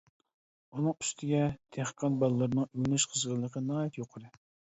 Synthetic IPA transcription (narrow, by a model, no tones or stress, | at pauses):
unɨŋy̥st̪ʰɪɡʲɛt̪ʰeχə̥qʰːɑnbɑlˠːɾnɨŋynyʃqʰəzʁəlˠːəqʰənɑːjit̪joqʰəɾɨ